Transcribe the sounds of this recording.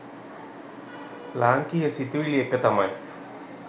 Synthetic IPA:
laːŋkijɐsit̪ːiʋilekːɐt̪ːɐma̰ːj

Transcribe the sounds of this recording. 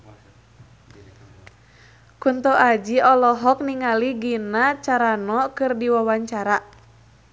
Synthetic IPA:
kunt̪ɔʔad͡ʒiɔlɔɦɔk̚niŋaliɡinat͡ʃaɾanɔkɨrdiwawaɲt͡ʃaɾa

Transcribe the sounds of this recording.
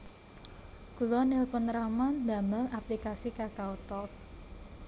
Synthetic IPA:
kulɔnelpənɾamanda̤məlaplikasikakaut̪ɔk̚

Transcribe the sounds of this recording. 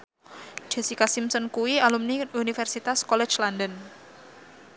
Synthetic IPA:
d͡ʒ̥e̤sikasimsənkuwialumniunifɛrsit̪askɔlɛ̥t͡ʃlandən

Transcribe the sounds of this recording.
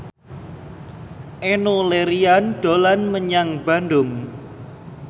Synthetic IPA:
ʔenoleɾianɖ̥olanməɲaŋb̥a̤nɖʊm

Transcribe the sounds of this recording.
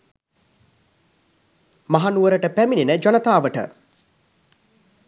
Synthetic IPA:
maɦanuʋəɾəʈəpæmininəd͡ʒonɐt̪aːʋəʈə̰

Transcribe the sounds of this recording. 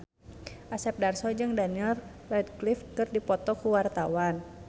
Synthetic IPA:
ʔasɛp̚darsɔd͡ʒɨŋdaniɛl | lɛd̪̚klifkɨrdipɔt̪ɔkuwart̪awan

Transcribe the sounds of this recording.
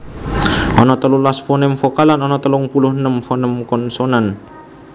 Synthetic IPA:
ɔnɔt̪əlulasfonɪmfokalanɔnɔt̪əlʊŋpulʊhnəmfɔnəmkɔnsonan

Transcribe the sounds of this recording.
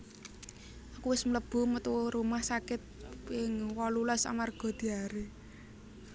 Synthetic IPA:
ʔakuwɪsmələb̥ṳmət̪uɾumahsakɪt̪̚ɪŋwɔlulɔsa̰marɡ̥ɔ̤d̪̥i̤aɾe

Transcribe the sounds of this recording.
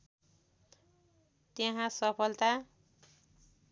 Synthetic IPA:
t̪jeɦãsʌpʰʌlt̪a

